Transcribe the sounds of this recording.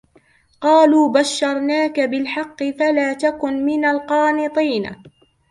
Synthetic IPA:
qɑːluːbaʃːɑɾˤnaːkabɪlħɑqːɨfalaːt̪akʊnmɪnalqɑːnɨt̪ˤiːn

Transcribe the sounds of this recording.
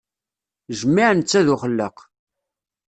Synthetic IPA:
ʒəmːiʕnt͡sːæðʊχəlːəq

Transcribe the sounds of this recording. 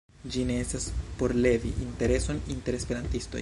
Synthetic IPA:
d͡ʒineestaspo̞ɾle̞vḭʔinte̞ɾe̞so̞ninte̞ɾe̞spe̞ɾantisto̞̰j

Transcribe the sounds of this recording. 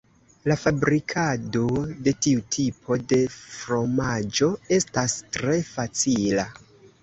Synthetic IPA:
lafabɾikʰado̞de̞tiutʰipʰo̞de̞fɾo̞mad͡ʒo̞e̞stastɾe̞fat͡sila

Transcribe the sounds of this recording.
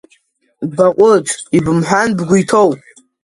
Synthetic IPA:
baqʷʼʊt͡sʰʼibɨmħʷanbɡʷujtʰowpʼ

